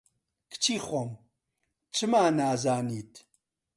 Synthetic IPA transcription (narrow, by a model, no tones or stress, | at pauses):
kʰt͡ʃʰiːχʷom | t͡ʃʰɨmaːnaːzaːniːt̪ʰ